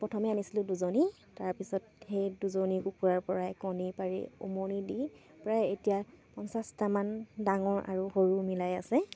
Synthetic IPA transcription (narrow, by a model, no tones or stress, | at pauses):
pɔtʰɔmɛanisilʊ̃duzoni | taɹpisɔt̚xejduzonikukuɹaɹpɔɹajkɔnipaɹḭo̰monidi | pɹajetijapɔnsastamandaŋɔɹʔa̰ɹuxoɹumilajasɛ